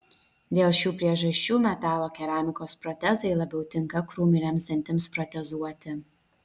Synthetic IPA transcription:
d̪ʲeːlˠʃʲuːpʲɾʲiɛʒɐʃʲt͡ʃʲuːmʲɛt̪ɑːlˠoːkʲɛɾɑːmʲɪkoːspɾɔt̪ʲɛzɐɪlˠɐbʲɛʊt̪ʲɪŋkɐkɾuːmʲɪnʲɛmsd̪ʲɛnʲt̪ʲɪmspɾɔt̪ʲɛzuɔt̪ʲɪ

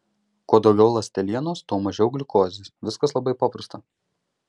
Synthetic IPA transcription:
koːd̪ɐʊɡʲɛʊlˠɐsʲt̪ʲɛlʲiɛnoːst̪oːmɐʒʲɛʊɡlʲɪkoːzʲɪʋʲɪskɐslˠɐbɐɪpɐpɾɐst̪ɐ

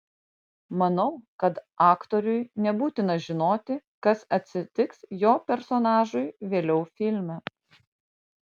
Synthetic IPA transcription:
mɐnɐʊkɐt̪ɑːkt̪ɔɾʲʊjnʲɛbuːt̪ʲɪnɐʒʲɪnoːt̪ʲɪkɐsɐt̪ʲsʲɪt̪ʲɪksjoːpʲɛɾsɔnɑːʒʊjʋʲeːlʲɛʊfʲɪlʲmʲɛ

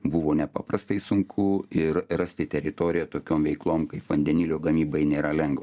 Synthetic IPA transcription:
buʋoːnʲɛpɑ̰ːprɐst̪ɐɪsʊŋkʰʊɪrrɐsʲt̪ʲɪt̪ʲɛɾʲɪt̪oːɾʲɪjɛt̪oːkʲoːmʋʲɛɪklˠoːmkɐɪpʋɐnʲd̪ʲɛnʲiːlʲoːɡɐmʲiːbɐɪnʲeːɾɐlʲɛŋɡʋɐ

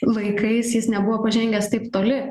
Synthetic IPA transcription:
lɐɪkɐɪsjɪsnʲɛbʊʋoːpɐʒʲɛŋʲɡʲɛst̪ɐɪpt̪oːlʲɪ

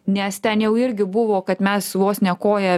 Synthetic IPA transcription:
nʲɛst̪ʲɛnjɛʊɪɾʲɡʲɪbʊʋoːkɐt̪mʲɛsʋoːsnʲɛkoːjɛ

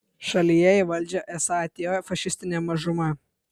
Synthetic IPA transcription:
ʃɐlʲijɛiʋɐlʲd͡ʒʲɛʔɛsɑt̪ʲeofɐʃʲɪsʲt̪ʲɪnʲemɐʒʊmɐ

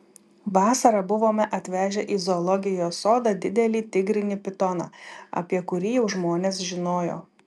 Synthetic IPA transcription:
ʋɑːsɐɾɐbʊʋoːmʲɛʔɐt̪ʲʋʲæːʒʲɛʔiːzɔːlˠɔɡʲɪjoːsoːd̪ɑːd̪ʲɪd̪ʲɛlʲiːt̪ʲɪɡɾʲɪnʲɪpʲɪt̪ɔnɑ̰ːɐ̰pʲiɛkʊɾʲiːjɛʊʒmoːnʲeːsʒʲɪnoːjo̰ː

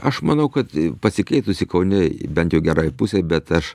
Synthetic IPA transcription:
ɐʃmɐnɐʊkɐt̪pɐsʲɪkɛɪt̪ʊsʲɪkɐʊnʲɪbʲɛnt̪jɛʊɡʲɛɾɑːjpʊsʲebʲɛt̪ɐʃ

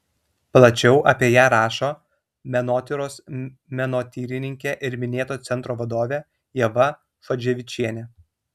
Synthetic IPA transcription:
plˠɐt͡ʃʲɛʊʔɐpʲiɛjæːɾɑːʃoː | mʲɛnoːt̪ʲɪɾoːs | mʲɛnoːt̪ʲiːɾʲɪnʲɪŋʲkʲeʔɪɾmʲɪnʲeːt̪oːt̪sʲɛnt̪ɾoːʋɐd̪oːʋʲeː | jɛʋɐ | fɐd͡ʒʲɛʋʲɪt͡ʃʲiɛnʲɛ

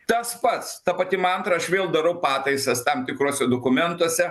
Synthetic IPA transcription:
t̪ɐspɐt̪st̪ɐpɐt̪ʲɪmɐɐnt̪ɾɐɐʃʋʲeːlˠd̪ɐɾɐʊpɑːt̪ɐɪsɐst̪ɐmt̪ʲɪkɾuːsʲɛd̪oːkʊmʲɛnt̪uɔsʲɛ

